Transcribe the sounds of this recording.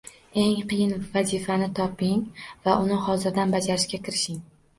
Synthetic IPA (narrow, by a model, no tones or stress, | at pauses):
e̞ŋqʰɨjɪnvazifanɪt̪ʰɒpɪŋvaʔʊnɪhɒzɪɾd̪anbad͡ʒaɾɪʃkʲakʲʰɪɾɪʃɪŋ